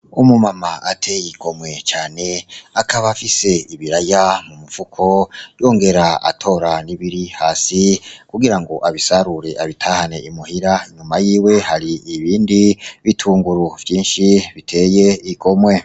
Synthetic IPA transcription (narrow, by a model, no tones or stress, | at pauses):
umumamaatʰejikʰo̞mwe̞t͡ʃaːne̞akaβafise̞iβiɾajamumuvukʰo̞jo̞ːŋɡe̞ɾaa̰tʰo̞ɾaniβiɾihaːsikuɡiɾaŋɡo̞ʔaβisaɾuɾe̞ʔaβitʰahane̞ʔimuhiɾaiɲumajiːwe̞haɾiːβiːndiβitʰuːŋɡuɾuvjiːnʃiβitʰe̞jeiko̞mwe̞